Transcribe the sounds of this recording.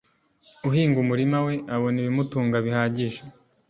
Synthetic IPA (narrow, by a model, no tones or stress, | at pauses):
uɦiːŋɡumuɾimawe̞aβo̞niβimutuːŋɡaβihaːɟiʃa